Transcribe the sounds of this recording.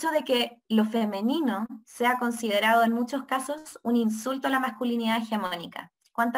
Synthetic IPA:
t͡ʃoðe̞kelofeme̞ninoseako̞nsið̞eɾað̞oenmut͡ʃoskaso̞suninsult̪oalamaskuliniðaexemonika̰ | kwant̪

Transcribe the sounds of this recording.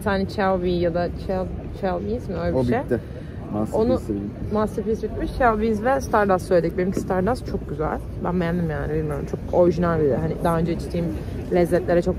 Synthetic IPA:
t̪ʰaːnɛt͡ʃʰalbijad̪at͡ʃʰalt͡ʃʰalbijizmiølʲɛʃbejɛ | mao̞numasifisbit̪̚miʃt͡ʃʰavbizvɛst̪ʰaɾd̪asːøjlʲed̪ic̚benimcʰi̥st̪ʰaɾd̪ast͡ʃʰo̞k̚ɟyzæ̰lʲ | bæ̰nbɛnʲd̪imjaːnibilʲmijo̞ɾumt͡ʃʰo̞ko̞ɾiʒinælʲbid̪ijoɦanɪd̪aɦaø̞nd͡ʒɛit͡ʃt̪ʰiːm | lʲɛzːɛt̪lʲe̞ɾɛt͡ʃʰo̞k

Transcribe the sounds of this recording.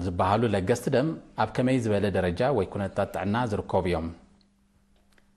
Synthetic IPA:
zɨbːahalulɐɡɐst̪ʰd̪ɐmʔaβkʰɐmɐjzɨβɐlɐd̪ɐɾɐd͡ʒawɔjkʰunɐt̪ʰat̪ʰːɨ̰ʕnːazɨɾɨkʰːoβijo̞m

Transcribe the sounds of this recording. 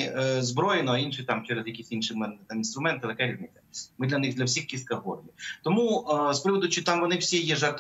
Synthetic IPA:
zbɾɔjenɔɐinʃɪt̪amt͡ʃɛɾɛzjɐkʲisʲinʃɨmɛnt̪aminst̪ɾʊmɛnt̪ɪt̪ɐkɛɾʲiznɪt͡sʲːɐmɪd̪lʲɐnɪxd̪lʲɐwsʲixkʲist̪kɐɦɔ̰rnʲit̪ɔmuspɾɪʋɔd̪ʊt͡ʃit̪amʋɔnɪwsʲijɛʒɛrt̪

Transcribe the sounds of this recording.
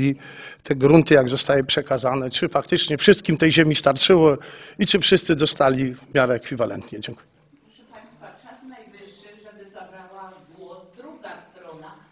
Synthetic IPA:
i | t̪ʰɛɡɾunt̪ɘjaɡzɔst̪awɘpʂɛkazanɛt͡ʂɘfak̚t̪ɘt͡ʂɲɛfʂɘst̪kʲimt̪ɛjʑemʲist̪aɾt͡ʂɘwɔit͡ʂɘfʂɘst̪sɘd̪ɔst̪alʲivmʲjaɾɛːkfʲivalɛ̰nt̪ɲɛd͡ʑɛŋkuɛ | ɔɛpaj̃st̪fat͡ʂasnajvɪʂːɘʐɛbɘzabɾawaɡwɔsd̪ɾuɡast̪ɾɔna

